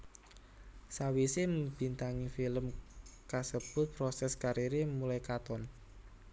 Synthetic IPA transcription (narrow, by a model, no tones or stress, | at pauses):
sawiseməmb̥i̤nt̪aŋifiləmkasəb̥ʊ̤t̪̚pɾɔsɛskaɾiɾimulajkat̪ɔn